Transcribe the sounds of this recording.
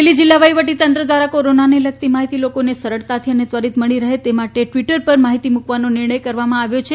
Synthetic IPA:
elid͡ʒilːaʋəjʋəʈit̪ənt̪ɾəd̪ʋaɾakoɾonaneləɡ̚t̪imaɦit̪ilokonesəɾəɭt̪at̪ʰiənet̪ʋəɾit̪məɭiɾəɦet̪emaʈeʈʋiʈəɾpəɾmaɦit̪imukʋanonɪɾɳəjkəɾʋamãaʋjot͡ʃʰe

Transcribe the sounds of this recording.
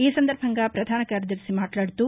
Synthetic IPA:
iːsɐnd̪ɐɾbʱɐŋɡɐpɾɐd̪ʱaːnɐkaɾɐd̪ɐɾsimaːʈlaːɽt̪u

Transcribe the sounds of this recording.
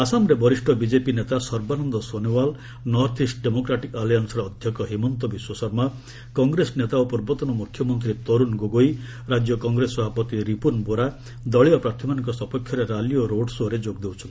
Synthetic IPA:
asamɾebɔɾisʈʰɔbid͡ʒepinet̪asɔɾbanɔnd̪ɔsonewal | nɔɾt̪ʰisʈɖemokɾaʈikalijansɾɔːd̪ʱjɔkɔɦimɔnt̪ɔbiswɔsɔɾma | kɔŋɡɾesnet̪aopuɾbɔt̪ɔnɔmukʰːjɔmɔnt̪ɾit̪ɔɾunɡoɡoi | ɾad͡ʒjɔkɔŋɡɾesɔbʱapɔt̪iɾipunboɾa | d̪ɔɭiɔpɾaɾt̪ʰimanɔŋkɔsɔpɔkʰːjɔɾeɾalioɾoɖsoɾed͡ʒoɡd̪ewt͡ʃʰɔnt̪i

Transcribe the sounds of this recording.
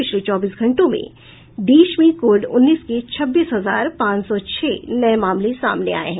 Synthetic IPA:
pɪt͡ʃʰlet͡ʃɔːbiːsɡʱɐ̃ɳʈõmḛ̃ | d̪iːʃmĩkoːɾɖʊ̰nːiːsket͡ʃʰɐbːiːsɦɐzaːɾpãːt͡ʃsɔt͡ʃʰɛːnɐjmaːmlisa̰ːmnḛa̰ːḛɦɛ̃

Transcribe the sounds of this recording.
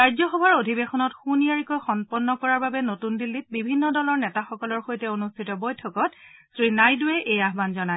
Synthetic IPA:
ɹajzɔxɔbʱaɹodʱibexɔnɔtxunijaɹikɔjxɔnpɔnːɔkɔɹaɹbabɛnotundilːit̚bibʱinːɔdɔlɔɹnɛtaxɔkɔlɔɹxojtɛonustʰitɔbɔjtʰɔkɔtsɹinajdʊɛʔejaɦbanzɔnaj

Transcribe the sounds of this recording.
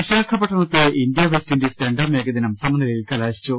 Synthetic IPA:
ɐɕaːkʰɐpːɐʈʰːɐɳɐt̪ːɨʔind̪jɐʋestindesteɳɖɐːmeːɡɐd̪inɐmsɐmɐnilɐilkɐlaːɕi̥t͡ɕːu

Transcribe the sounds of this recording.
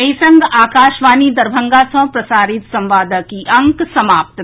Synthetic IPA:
ɐjsɐ̃ŋɡaːkaːʃʋaːnid̪ɐɾbʱɐ̃ŋɡaːsɐ̃pɾɐsaːɾɪt̪sɐ̃mʋaːd̪əkiʔɐ̃ŋksɐmaːp̚t̪

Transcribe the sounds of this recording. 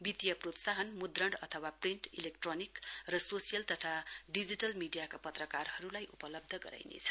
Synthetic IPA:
bit̪ijʌprot̪saɦʌnmud̪rʌɳɖʌt̪ʰʌwapriɳʈilekʈronikrʌsosijʌlt̪ʌt̪ʰaɖid͡ziʈʌlmiɖijakapʌt̪rʌkarhʌɾulajʔupʌlʌb̚d̪ʱʌɡʌɾa̰jnḛt͡sʰʌ̥

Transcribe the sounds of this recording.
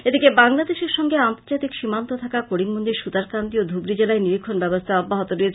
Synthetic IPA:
ed̪ikebaŋlad̪eʃeɾʃɔŋɡeant̪oɾd͡ʑat̪ikʃimant̪ot̪ʰakakoɽiŋmond̪iɾʃud̪aɾkand̪iod̪ʱubɾid͡ʑelaeniɾikʰːonbɛbost̪ʰaɔbːaɦot̪oɾie

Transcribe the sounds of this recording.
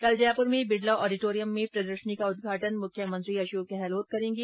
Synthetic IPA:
kɐld͡ʒɐjaːpʊɾmẽbɪɖlaʔɔːɖɪʈoːɾijəmːẽpɾɐd̪əɾʃənikaʊd̪̚ɡʱaːʈənmʊkʰjəmɐ̃nt̪ɾiɐʃoːkeɦɛːloːt̪̚kɐɾẽːŋɡi

